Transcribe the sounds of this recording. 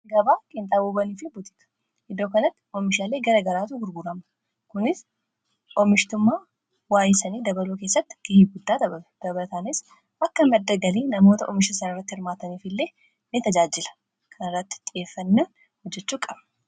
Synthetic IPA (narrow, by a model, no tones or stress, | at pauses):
ɡɐbaːkʼɪnt̪ʼaːbuːbɐniːfɪbʊt̪ɪ̥kɐ̥ | ʔɪd̪oːkɐnɐt̪ːɪ̥ʔɔmɪʃaːleːɡɐɾɐɡɐɾaːt̪ʊɡʊɾɡʊɾɐmɐ | kʊnɪs | ʔɔmɪʃt̪ʊmːaː | waːjɪsɐniːd̪ɐbɐluːke̞ːsːɐt̪ːɪɡ̥ɐhiɡʊd̪ːaːt̪ɐbɐɐd̪̥ɐbɐlɐt̪aːnɪs | ʔɐkːɐmɛd̪ːɐɡɐliːnɐmo̞ːt̪ɐʔɔ̰mɪʃɐsɐnɪrːɐt̪ːɪhɪɾmaːt̪ɐniːfɪlːe̞ː | nɪt̪ɐd͡ʒaːd͡ʒɪlɐ̥ | kʰɐnɪrːɐt̪ːɪ̥t̪ʼɪeːfːɐnːɐn | hɔd͡ʒːɛt͡ʃːuːkʼɐb̥